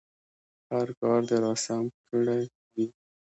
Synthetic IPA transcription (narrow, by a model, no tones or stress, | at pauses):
haɾkɑɾd̪əɾɑsamkəɽaj | wi